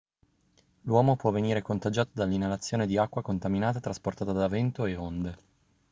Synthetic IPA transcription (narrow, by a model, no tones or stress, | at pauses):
lwɔːmopwɔveniːɾekont̪ad͡ʒaːt̪od̪alːinːalat̪sːjoːned̪iakːwakont̪aminaːt̪at̪ɾasport̪aːt̪ad̪avɛnt̪oeond̪e